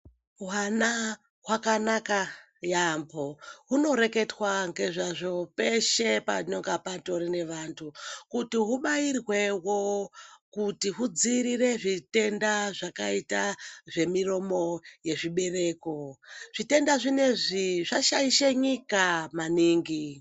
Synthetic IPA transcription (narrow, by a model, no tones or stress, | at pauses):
wana | ɦwakanaka | jamboɦuno̞ɾe̞ke̞twaŋɡe̞ʐaʐo̞pe̞ʃe̞pa̰ɲoŋɡapato̞ɾine̞ʋantʰukutiɦuɓairwe̞wokutiɦud͡ziɾire̞ʐite̞ndaʐakaitaʐe̞miro̞mo̞je̞ʐiɓe̞re̞ːko̞ʐ̥ite̞ndaʐine̞ʐiʐaʃaiʃeɲikamaniːŋɡi